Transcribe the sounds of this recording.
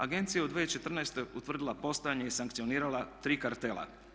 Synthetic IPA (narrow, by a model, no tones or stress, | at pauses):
aɡe̞nt̪sijaod̪ʋeet͡ʃe̞t̪r̩naest̪o̞ut̪ʋr̩d̪ilˠapo̞st̪ojaɲeisaŋkt̪sio̞niːɾalˠat̪ɾiːkaɾt̪elˠa̰